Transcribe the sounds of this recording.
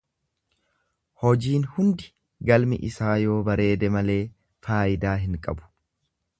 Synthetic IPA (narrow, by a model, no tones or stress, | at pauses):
hɔd͡ʒiːnhʊnd̪ɪ̥ | ɡɐlmɪ̰ʔɪsaːjo̞ːbɐɾe̞ːd̪ɛmɐle̞ː | faːʔɪd̪aːɦɪŋkʼɐ̰bʊ̥